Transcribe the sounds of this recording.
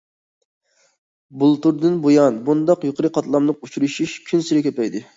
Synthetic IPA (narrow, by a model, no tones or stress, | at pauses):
bulˠt̪uɾd̪ɨnbojɑnbund̪ɑqjuqʰəɾɨqʰɑt̪lˠɑmlˠəq̚ut͡ʃʰuɾuʃuʃkʲʰynsɪɾɪkʲʰøpɛjd̪ɪ